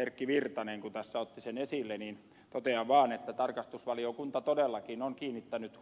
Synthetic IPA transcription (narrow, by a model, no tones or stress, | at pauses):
erkːiʋirt̪ɑneŋkut̪æsːæot̪ːisenesilːeniːn | t̪ot̪eɑʋʋɑːnet̪ːæt̪ɑrkɑst̪usʋɑliokunt̪ɑt̪odelːɑkinoŋkiːnːit̪ːænyt̪